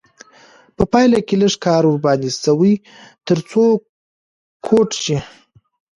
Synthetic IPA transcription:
pəpɑjlakeləʂkɑɾʊɾbɑnisawəj | t̪əɾt͡so | kʰoʈʃi

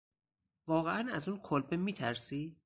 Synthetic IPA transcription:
vɒːɣeʔænæzunkʰolbemiːt̪ʰæɾsiː

